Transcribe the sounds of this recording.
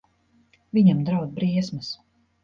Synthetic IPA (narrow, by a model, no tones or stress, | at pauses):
viɲamd̪ɾawd̪̚bɾiɛsmɨs